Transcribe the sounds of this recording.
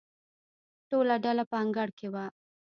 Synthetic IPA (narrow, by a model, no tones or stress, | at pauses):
ʈolaɖalapəaŋɡaɽkewa